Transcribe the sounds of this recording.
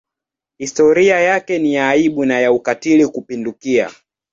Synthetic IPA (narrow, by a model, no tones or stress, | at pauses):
histɔɾiajakɛniaiɓunajaukatilikupindukia̰